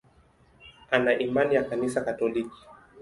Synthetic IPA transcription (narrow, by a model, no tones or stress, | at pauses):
anaʔimanijakanisakatɔliki̥